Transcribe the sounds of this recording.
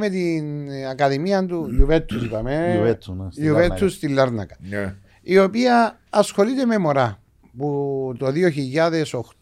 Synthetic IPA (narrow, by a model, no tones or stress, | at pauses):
met̪inakɐðimiɐnd̪ujuvet̪ʰːusipɐmevet̪ʰːujuvet̪ʰːust̪ilːɐɾnɐ̰kɐ̥ | io̞piɐː | sxo̞lit̪eme̞moɾɐ | put̪o̞ðioçiʎːaðe̞so̞xt̪